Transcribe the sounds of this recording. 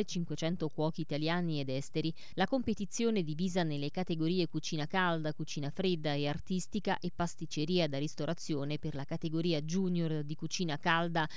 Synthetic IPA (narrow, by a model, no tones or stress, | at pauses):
et͡ʃiŋkwet͡ʃɛnt̪okwɔːk̟iːt̪aljaːnied̪ɛst̪eɾi | lakompet̪it̪sːjoːned̪iviːzanelːekat̪eɡoɾiːekut͡ʃiːnakald̪akut͡ʃiːnafɾed̪ːaeart̪ist̪ika̰ʔepːast̪it͡ʃeɾiːad̪arist̪oɾʔat̪sːjoːneperlakat̪eɡoɾiːad͡ʒunjord̪ikut͡ʃiːnakald̪a